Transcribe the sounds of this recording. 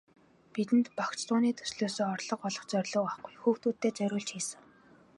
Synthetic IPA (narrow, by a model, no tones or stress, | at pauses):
pit̪ɘ̆nt̪pakt͡ɕt̪ʊːniːt̪ʰɵ̥sɮoːsoːɔrɮɞ̆qɔɮɞ̆χt͡sœrʲɮʊ̆ːaχɡujxuːxt̪uːt̪ʰːeːt͡sœɾʲʊːɮt͡ɕxiːsɘ̆ŋ